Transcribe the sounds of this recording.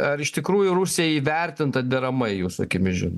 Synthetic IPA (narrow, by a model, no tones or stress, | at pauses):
ɐɾɪʃt̪ʲɪkɾuːjʊrusʲɪjɛiːʋʲɛrʲt̪ʲɪnt̪ɐd̪ʲɛɾɐmɐɪjuːsɐkʲɪmʲɪʒʲɪno